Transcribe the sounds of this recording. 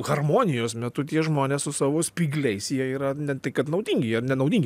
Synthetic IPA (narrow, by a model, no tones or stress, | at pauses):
ɣɐrmoːnʲɪjoːsmʲɛt̪ʊt̪ʲiɛʒmoːnʲeːssʊsɑːʋoːsʲpʲiːɡlʲɛɪsjiɛiːɾɐnʲɛt̪ɐɪkɐt̪nɐʊd̪ʲiːŋʲɡʲɪrnʲɛnɐʊd̪ʲiːŋʲɡʲɪ